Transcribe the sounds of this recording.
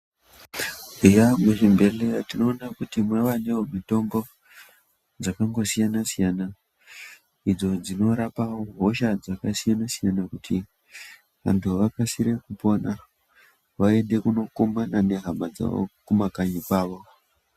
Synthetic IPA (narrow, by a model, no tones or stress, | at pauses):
ujamweʃembe̞leatino̞ːnakutimweʋane̞omito̞mbo̞ | d͡zakaŋɡo̞sijanasijana | id͡zo̞d͡zino̞ɾapaoɦo̞ʃad͡zakasijanasijanakutʰi | ʋa̰ntʰuʋakasiɾe̞kupo̞na | ʋae̞nde̞kuno̞komanane̞ɦamad͡za̰o̰kumakaɲikaːʋo̞